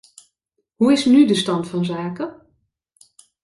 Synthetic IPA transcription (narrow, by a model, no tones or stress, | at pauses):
huɪsnydəstɑntfɔnzaːkə